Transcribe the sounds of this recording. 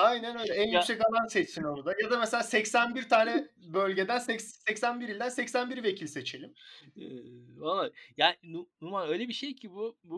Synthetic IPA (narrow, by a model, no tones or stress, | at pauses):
ajnænøjlʲɛænjyksɛcalˠanset͡ʃsinoɾud̪ajad̪amɛselʲaːsɛcsænbiɾt̪ʰaːnɛbølʲɟe̞d̪ænsɛcssɛcsænbiɾilʲd̪ænsɛcsænbiɾive̞cʰilʲse̞t͡ʃʰe̞lʲim | olˠajaːnɪnunuɾmalʲøjlʲebiʃejcʰibubu